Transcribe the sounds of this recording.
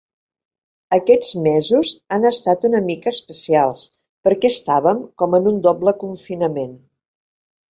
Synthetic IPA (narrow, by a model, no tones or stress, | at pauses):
əkɛd͡zmɛzuzanəst̪at̪unəmikəːspəsialˠs | pəɾkɛəst̪aβəmkɔmənund̪ɔbləkuɱfinəmen